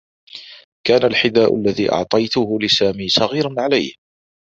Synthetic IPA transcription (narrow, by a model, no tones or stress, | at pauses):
kaːnalħɪd̪aːʔʊ̰lːaðiːʔɑ̰ʕt̪ˤɑjt̪ʊhʊlɪsaːmiːsˤɑɣiːɾanʕalajh